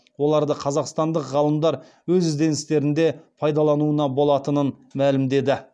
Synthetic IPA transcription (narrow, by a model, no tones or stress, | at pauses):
wo̞lˠɑɾd̪əqʰɑzɑqst̪ɑnd̪əqʁɑlˠəmd̪ɑɾ | wɵzɪzd̪e̞nɪst̪e̞ɾɪnd̪e̞pʰɑjd̪ɑlˠɑnuənɑbo̞lˠɑt̪ənən | mælɪmd̪e̞d̪ɪ